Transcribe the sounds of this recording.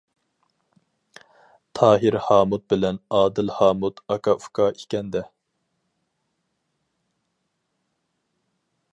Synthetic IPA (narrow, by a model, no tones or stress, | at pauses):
t̪ʰɑːɦɪɾhɑːmut̪̚bɪlɛnɑːd̪ɪlhɑːmut̪ɑkʰɑufkʰɑikʲɛnd̪ɛ